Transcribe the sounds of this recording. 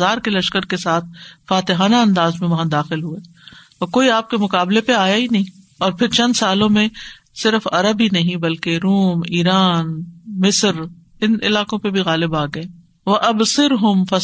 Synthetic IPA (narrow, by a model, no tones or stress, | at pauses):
aːɾkelɐʃkəɾkesaːt̪̚ʰfaːt̪ɪɦaːnaɐ̃nd̪aːzmẽʋɐɦãd̪aːxɪlɦueː | ɔːɾkoːiaːp̚kemʊkaːblepeaːjainɐɦĩ | ɔːɾpʰɪɾt͡ʃɐ̃nd̪saːlõmẽ | sɪɾəfɐɾəbinɐɦĩbɐlkeɾuːmiːɾaːnmɪsɾ | ɪnɪ̰laːkõpebʱiɣaːlɪbaːɡɐe | ʋɐʔɐbsɪɾɦʊmfɐ